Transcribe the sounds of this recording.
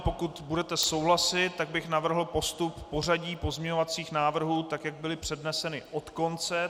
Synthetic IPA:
po̞kut̪budɛt̪ɛso̞wɦlasɪt̪ːaɡ̚bɪxnavr̩ɦl̩po̞st̪upːo̞r̝aɟiːpo̞zɲɛɲovat͡siːxnaːvr̩ɦuːt̪akjaɡ̚bɪlɪpr̝̥ɛdnɛsɛnɪo̞t̪ko̞nt͡sɛ

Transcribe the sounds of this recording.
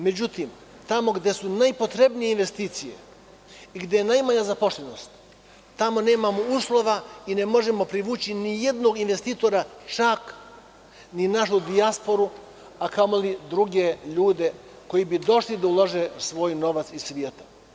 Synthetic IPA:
me̞d͡ʑut̪im | t̪amo̞ɡd̪e̞sunajpo̞t̪ɾe̞bnije̞inʋe̞st̪iːt̪sije̞̰ | iɡd̪ejenajmaɲazapoʃlʲeno̞st̪ː | amo̞ne̞ːmamouːslˠo̞ʋaine̞mo̞ʒe̞mo̞pɾiʋuːt͡ɕinije̞d̪no̞ɡinʋe̞st̪iːt̪o̞ɾat͡ʃak | ninaʃud̪iaspo̞ɾu | akamolid̪ɾuɡe̞ʎuːd̪e̞ | ko̞jibid̪o̞ʃlid̪aulˠoʒesʋo̞ːjno̞ʋat̪sisʋjeːt̪ḁ

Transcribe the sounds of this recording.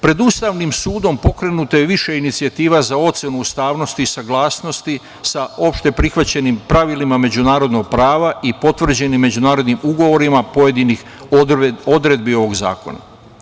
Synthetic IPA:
pɾe̞d̪ust̪aʋnimsuːd̪o̞mpo̞kɾe̞nut̪ajeʋiʃe̞init̪siat̪iːʋazao̞t̪se̞nuust̪aːʋno̞st̪iːsaɡlˠaːsno̞st̪i | sao̞pʃt̪e̞pɾixʋat͡ɕe̞nimpɾaʋilimame̞d͡ʑunaːɾod̪no̞ɡ̚pɾaːʋaipo̞t̪ʋr̩d͡ʑe̞nimːe̞d͡ʑunaːɾo̞d̪nimuɡo̞ʋo̞ɾimapo̞je̞d̪inix | o̞d̪ɾe̞d̪̚bio̞ʋo̞ɡza̰ːko̞̰na̰

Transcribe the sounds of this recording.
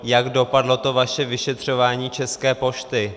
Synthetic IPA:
jaɡdo̞padlo̞t̪o̞vaʃɛvɪʃɛt̪r̝̥o̞vaːɲiːt͡ʃɛskɛːpo̞ʃt̪ɪ

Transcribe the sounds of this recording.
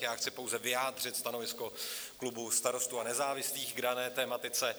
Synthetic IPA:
jaːxt͡sɪpowzɛvɪjaːdr̝ɪt̪st̪ano̞vɪsko̞klubust̪aɾo̞st̪uanɛzaːvɪsliːxɡdanɛːt̪ɛːmat̪ɪt͡sɛ

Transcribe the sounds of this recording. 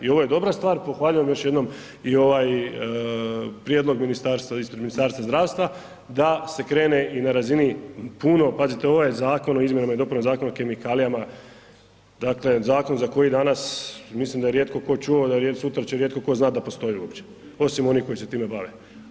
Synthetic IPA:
io̞ʋo̞je̞d̪o̞bɾast̪ʋaːɾpo̞xʋaːʎujemjo̞ʃje̞d̪no̞m | io̞ʋaj | pɾjeːd̪lˠo̞ɡminist̪aːɾst̪ʋaisped̪minist̪aːɾst̪ʋazd̪ɾaːʋst̪ʋa | d̪ase̞kɾe̞ːne̞ʔinaɾazinipuno̞pazit̪eo̞ʋojezaːko̞noizmjenamaid̪o̞puɾozaːko̞nake̞mikalijama | d̪akle̞zaːko̞nzako̞jid̪anasmislimd̪ajeɾjeːt̪̚ko̞ko̞t͡ʃuod̪aɾesut̪ɾat͡ɕeɾjet̪̚ko̞ko̞znaːt̪d̪apo̞st̪o̞jiuo̞pt͡ɕe | o̞simo̞niko̞ise̞t̪iːmebaʋe

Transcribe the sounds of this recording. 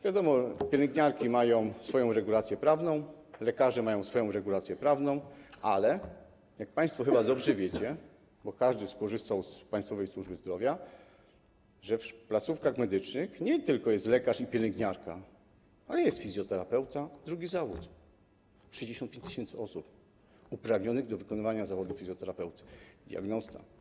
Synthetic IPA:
vʲjad̪ɔmɔpʲjɛlɛŋɡɲaɾkʲimajɔ̃w̃sfɔjɔ̃w̃ɾɛɡulat̪sʲjɛpɾavnɔ̃w̃ | lɛkaʐɛmajɔ̃w̃sfɔjɔ̃w̃ɾɛɡulat̪sʲjɛpɾavnɔ̃w̃ʔalɛ | jak̚paj̃st̪fɔxɘbad̪ɔbʐɛvʲjet͡ɕɛ | bɔkaʐd̪ɘskɔʐɘst̪awspajst̪fɔvɛjswuʐbɘzd̪ɾɔvʲja | ʐɛfplat̪sufkaxmɛd̪ɘt͡ʂnɘxɲɛt̪ɘlkɔjɛst̪lɛkaʂipʲjɛlɛŋɡɲaɾka | alɛjɛst̪fʲizʲjɔt̪ɛɾapɛwt̪ad̪ɾuɡʲizavut̪ | ʂɛʑd͡ʑeɕɔnt̪̚pʲẽɲt͡ɕt̪ɨɕɛnt̪sɘɔsup | upɾavɲɔnɘɣd̪ɔvɘkɔnɘvaɲazavɔd̪ufʲizʲjɔt̪ɛɾapɛwt̪ɘ̥d̪ʲja̰ɡnɔst̪a̰

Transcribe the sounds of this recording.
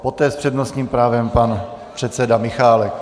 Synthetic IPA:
po̞t̪ɛːspr̥ɛdnost̪ɲiːmpɾaːvɛmpan | pr̝̥ɛt̪sɛdamɪxaːlɛk

